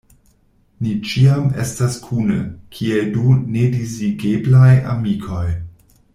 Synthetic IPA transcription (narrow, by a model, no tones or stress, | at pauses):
nit͡ʃiamḛstaskʰunə̰kʰieldunediziɡeblaja̰mikʰo̞j